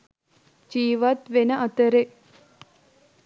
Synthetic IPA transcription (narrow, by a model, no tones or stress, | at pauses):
d͡ʒiːʋɐt̪ʋenɐʔɐt̪əɾe